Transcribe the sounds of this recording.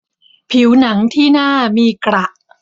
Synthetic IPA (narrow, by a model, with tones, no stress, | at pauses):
pʰi˩˦wna˩˦ŋt̪ʰiː˥˩naː˥˩miː˧kɾa˨˩ʔ